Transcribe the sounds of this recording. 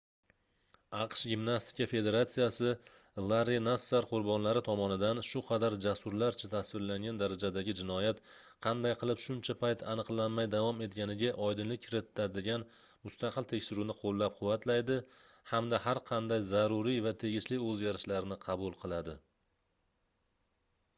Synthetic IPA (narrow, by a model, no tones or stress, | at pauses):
ɑqʃɡʲɪmnast̪ɪ̥kʲafe̞d̪e̞ɾat̪sijasɪ | lˠaɾenasːaɾqʰʊɾbɒnlaɾɪt̪ʰɒmɒnɪd̪anʃʊqʰɑd̪aɾd͡ʒasʊɾlaɾt͡ʃʰat̪ʰasvɪɾlaŋɡʲand̪aɾad͡ʒad̪aɡʲɪd͡ʒɪnɒjat̪qʰɑnd̪ajqʰɨlˠɪpʃʊnt͡ʃʰapʰajt̪ʰanɨqlˠanmajd̪avɒme̞t̪̚ɡʲanɪɡʲaʔɒjd̪ɪnlɪkʲʰːɪɾɪt̪ʰːad̪ɪɡʲan | mʊst̪ɑqʰɨlt̪ʰe̞kʲʃɪɾunɪqʰolˠːap̚qʰʊvːat̪ʰlajd̪ɪ | hamd̪ahaɾqʰɑnd̪ajzaɾʊɾijvat̪ʰe̞ɡʲɪʃlɪɵzɡʲaɾɪʃlaɾnɪqʰɑbʊlˠqʰɨlˠad̪ɪ